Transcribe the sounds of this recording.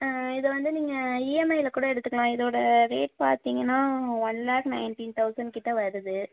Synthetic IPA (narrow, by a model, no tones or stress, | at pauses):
ɪðɐʋɐnd̪ɯniːŋɡɐiːɛmɐɪɪlɐkuːɽɐɛɽɯt̪ːɯkːɐɭãːɪðoːɽɐɾeːʈ̚pa̰ːɾt̪iːŋɡɐnːaːʋɐnlaːknɐɪnʈiːnt̪ɐʊsɐɳɖ̚kɪʈːɐʋɐɾɯðɯ